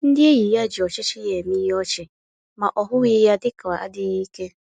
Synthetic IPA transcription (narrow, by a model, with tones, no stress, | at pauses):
n̩˦dɪ˦e˦ɣi˨ja˦d͡ʒɪ˨ɔ˨t͡ʃɪ˦t͡ʃɪ˦je˨mi˦ɦɔ˦t͡ʃɪ˨ | ma˨ʔɔ˨ɦʊ˦ɣi˦ja˦dɪ˦ka˨a˨a̰˦dɪ˦ɣi˦ke˦